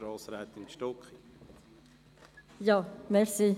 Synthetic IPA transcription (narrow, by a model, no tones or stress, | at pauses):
ɾɑːsɾat̪ɪnʃtɔkχi | jɑmɛɾsi